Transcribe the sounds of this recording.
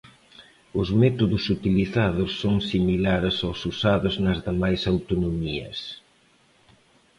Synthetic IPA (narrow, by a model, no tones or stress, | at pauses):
ʊzmɛt̪oðʊsut̪iliθaðʊsːoŋsimilaɾsawsusaðʊznɐzðamajsawt̪onomiɐ̰s